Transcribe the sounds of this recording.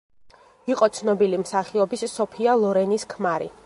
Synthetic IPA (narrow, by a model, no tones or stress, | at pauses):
iqʼɔt̪sʰnɔbilimsaχiɔbisːɔpʰialˠɔɾɛniskʰmaɾḭ